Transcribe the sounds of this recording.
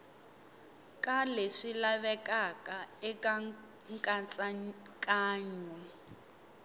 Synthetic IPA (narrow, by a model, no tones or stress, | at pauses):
kʼaleʂilaβɛkʼakaɛka | ŋkʼat͡sʼakʼaːɲɔ